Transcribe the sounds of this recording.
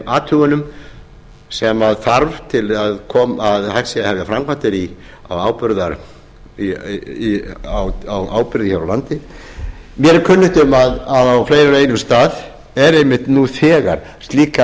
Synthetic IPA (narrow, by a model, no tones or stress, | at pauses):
ʔaːt̪ʰʏɣʏnʏm | sɛmaðθaɾvt̪ʰɪlaðkʰɔːmaðhaksjahɛvðjafɾamkʰvant̪ɪɾi | a̰waːwpʏɾðaɾ | iawawaːwpʏɾðɪçaɾawlant̪ɪ | mjɛɾkʰʏnːʏht̪ʏmaðaðawflejɾaɾeːjnʏmst̪aːð | ɛɾejmɪht̪nuθɛːɣa̰ɾ̥ | st̪liːka